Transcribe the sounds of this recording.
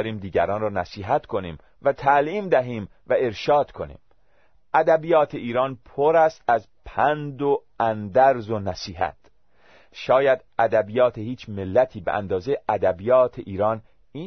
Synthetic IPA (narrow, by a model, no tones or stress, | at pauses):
ɾiːmd̪iːɡæ̰ɾɒːnrɒːnæsiːɦæt̪kʰo̞nḭːm | væt̪ʰæliːmd̪æɦiːm | væe̞ɾʃɒːd̪̥kʰo̞nḭːm | ʔæd̪æbijɒːt̪ʰeʔiːɾɒːnpʰoɾæst̪æz | pʰænd̪o | ænd̪æɾzonæsiːɦæ̰t̪ | ʃɒːjæd̪ʔæd̪æbijɒːt̪ʰehiːt͡ʃʰmelːæt̪ʰiːbḛʔæ̰nd̪ɒːzeʔæd̪æbijɒːt̪ʰeʔiːɾɒːn | iː